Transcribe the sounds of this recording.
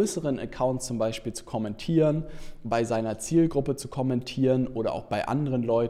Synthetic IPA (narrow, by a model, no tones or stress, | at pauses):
øːsəʁənʔɛ̰kʰaʊntst͡sʊmbaɪʃpiːlt͡su̥kʰɔmɛntʰiːʁənbaɪzaɪnɐt͡siːlɡʁʊpət͡su̥kʰɔmɛntʰiːʁənʔʔoːɾɐ̰ʔa̰ʊxb̥aɪʔa̰ndəʁənlɔʏ